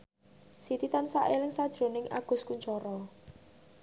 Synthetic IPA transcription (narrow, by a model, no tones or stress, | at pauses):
sit̪it̪ansaʔelɪŋsad̥ʒ̥ɾo̤nɪŋʔa̰ɡ̥ʊ̤skuɲt͡ʃɔɾɔ